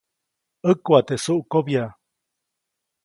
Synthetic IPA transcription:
əkuat̪esuʔkobja

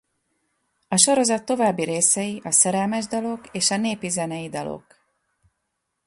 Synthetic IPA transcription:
ɒʃo̞ɾo̞zɒt̪ːo̞vaːbːiɾeːsɛjiʔɒsɛɾɛlmɛʒd̪ɒlo̞keːʃɒneːpizɛnɛjid̪ɒlo̞̰k

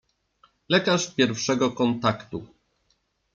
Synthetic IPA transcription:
lɛkaʂpʲjɛɾfʂɛɡɔkɔnt̪akt̪u

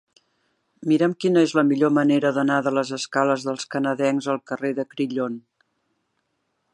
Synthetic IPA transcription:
miɾəmkinəezləmiʎoməneɾəðənaðələzəskaləzðəlˠskənəðɛŋzəlˠkəreðəkɾiʎon

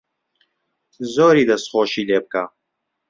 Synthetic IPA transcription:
zoːɾiːd̪ɐsχoːʃiːleːb̚ka

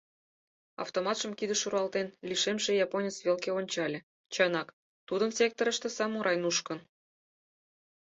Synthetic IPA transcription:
ɑ̰ft̪omɑt̪ʃəmkid̪ə̆ʃuɾɑlt̪enlʲiʃemʃĕjɑponʲet͡sβʲelkeonʲt͡ɕɑlʲĕ | t͡ɕɑnɑk | t̪ud̪ə̆nsʲek̚t̪ŏɾə̆ʃt̪ĕsɑmoɾʔɑjnuʃkɤ̆n

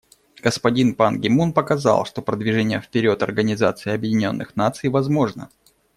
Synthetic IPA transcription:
ɡ̥əspɐdʲinpanɡʲɪmunpəkɐza̰lˠʂt̪o̞pɾəd̪vʲɪʐɛnʲɪjəfpʲɪɾʲot̪ɐ̰rɡənʲɪza̰t̪sɨɪɐbjɪdʲɪnʲo̞nːɨxnat̪sɨjvɐzmo̞ʐnə̰

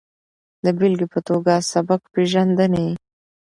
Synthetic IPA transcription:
d̪əbilɡipət̪oɡasabakpeʒand̪ənaji

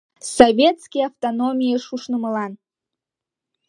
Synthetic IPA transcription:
sovʲet̪skʲijaft̪onomʲijəʃuʃnəməlɑn

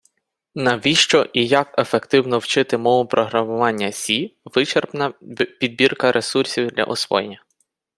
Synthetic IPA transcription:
nɐʋʲiʃt͡ʃɔʔijɐke̞fekt̪ɪwnɔwt͡ʃɪt̪ɪmɔʋʊpɾɔɦɾɐmʊʋɑnʲːɐsʲiʋɪt͡ʃerpnɐpʲid̪̚bʲirkɐɾʔesursʲiwd̪lʲɐ̰ʔɔsʋɔ̰jenʲːɐ

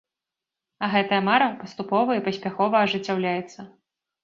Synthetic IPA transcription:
ɐɣɛt̪ɐjɐmaɾɐpɐst̪upɔvɐipɐsʲpʲaxɔvɐːʐɨt͡sʲːawlʲajɛt̪sːɐ

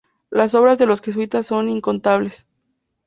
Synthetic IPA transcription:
laso̞βɾazðe̞lo̞sxe̞s̬wit̪asːo̞niŋko̞nt̪aβ̞le̞s

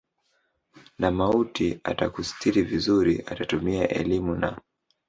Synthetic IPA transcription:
namautia̰takusi̥tʰiɾivizuɾiʔatatumiaʔɛlimuna

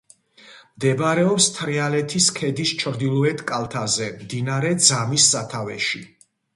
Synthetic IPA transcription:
md̪ɛbɾɛɔpst̪ʰɾialɛt̪ʰiskʰɛd̪ist͡ʃʰɾd̪ilˠuɛt̪ʰkʼalˠt̪ʰazɛmd̪inaɾɛd̪zamisːat̪ʰavɛ̰ʃi

